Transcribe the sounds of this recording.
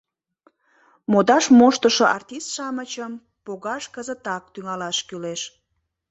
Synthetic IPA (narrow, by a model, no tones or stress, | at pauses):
mod̪ɑʃmoʃt̪əʃoʔɑrt̪ʲist̪ʃɑmət͡ɕəm | poɣɑʃkəzət̪ɑk̚t̪yŋɑlɑʃkyleʃ